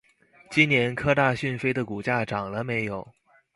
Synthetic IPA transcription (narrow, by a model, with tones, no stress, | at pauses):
t͡ɕi˥nnjɛ˧˥nkʰɤ˥t̪a˥˧ɕy˥˩nfe˥ɪd̪ə˨ku˨˩t͡ɕja˥˩ʈ͡ʂɑ˨˩ŋlə˦me˧˥ɪjo˨˩˦ʊ